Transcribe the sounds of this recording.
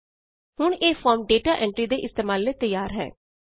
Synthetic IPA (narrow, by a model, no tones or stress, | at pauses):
hʊɳeːfʰɔːɾmɖeːʈaːʔɛ̃ɳʈɾiːd̪eːʔɪst̪eːmaːlneːt̪əjːaːɾɦɛ̰ː